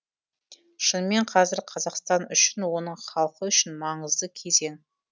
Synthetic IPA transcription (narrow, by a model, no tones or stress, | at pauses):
ʃənme̞ɴqʰɑzɪɾqʰɑzɑqst̪ɑnʏʃɪnwo̞nəɴχɑlˠqəʏʃɪnmɑɴəzd̪əkʲʰe̞ze̞ŋ